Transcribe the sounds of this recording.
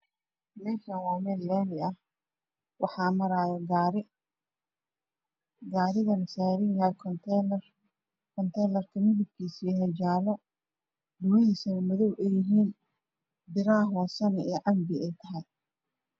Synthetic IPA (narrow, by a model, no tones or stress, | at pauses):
mɛːʃɐnwɑːmɛːlːɛːnɪɐh | wɑħɑːmɐɾaːjɛɡɾɪ | ɡaːɾɪɣɐnɐsaːɾɪŋkʰɐkʰt̪ʰr | kʰɔnt̪ʰɛjlɐrkʰɐmɪðɪb̚kʰiːsiːɦɛd͡ʒaːlɔ | dʊmɐɦiːsɐnmɔðɔwʔɛjɪɦiːn | b̪ɪɾaːɦwɑːsɐnɛɛːʕɑmbɪɛjt̪ʰɐɦɐj